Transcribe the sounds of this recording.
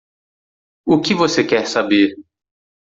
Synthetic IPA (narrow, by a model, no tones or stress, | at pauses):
ʊkɪvosekɛɾsabeɾ